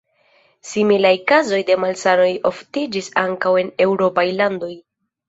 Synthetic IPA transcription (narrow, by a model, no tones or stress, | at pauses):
similajkazo̞jde̞malsano̞jo̞ftid͡ʒisaŋkawe̞ne̞wɾo̞pajlando̞j